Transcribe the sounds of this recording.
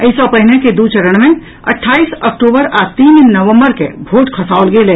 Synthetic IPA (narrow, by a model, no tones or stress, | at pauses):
əisɔpəɦɪneked̪ut͡ʃəɾəɽ̃mẽ | ə̰ʈʰːaːisək̚ʈoːbəɾat̪iːnnəʋə̃mbəɾkḛbʱoːʈkʰəsaːʊlɡeːleː